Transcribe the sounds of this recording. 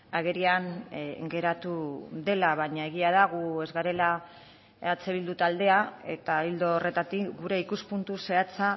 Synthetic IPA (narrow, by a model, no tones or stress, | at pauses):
aɣe̞ɾianɡe̞ɾat̪uðe̞laβaɲaeɣ̞iað̞aɣ̞ue̞zɣaɾe̞la | at͡se̞β̞ild̪ut̪ald̪e̞ae̞̰t̪aild̪oːre̞t̪at̪ikɡuɾe̞ikuspunt̪use̞at͡sa